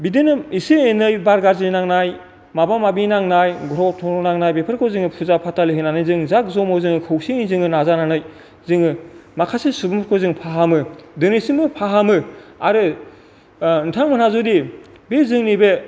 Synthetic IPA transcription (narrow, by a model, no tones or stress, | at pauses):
bidenɯiseenɯjbaɾɡaɾzinaŋnaj | mabamabinaŋnajɡɔɾɔtʰɔɾɔnaŋnajbepʰɯɾkʰozɯŋɯpʰuzapʰataliɦɯnanɯjzɯŋzak̚zɔmɔzɯŋɯkʰɯwsiizɯŋɯnazananɯj | zɯŋɯmakʰasisubɯmɾkʰozɯŋpʰaɦamɯdɯnesiŋmɯpʰaɦamɯaɾɯ | ntʰaŋmɯnazudi | bezɯŋnibe